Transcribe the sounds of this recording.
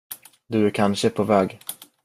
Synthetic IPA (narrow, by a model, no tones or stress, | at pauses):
d̪ɵæɾkʰanɕəpʰovɛːɡ